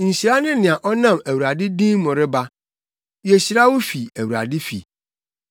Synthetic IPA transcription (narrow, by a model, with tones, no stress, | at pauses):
n̩˨ɕi˨ɾa˦nɪ̃˦nɪ̃˨a˨ʔɔ˦nã˦˨mæ˨wu˨ɾa˨dɪ˦dĩ˦mɔ̃˨ɾɪ˦ba˦ | wje˨ɕi˨ɾa˦wʊ˦fi˨æ˨wu˨ɾa̰˨dɪ˦fḭ˨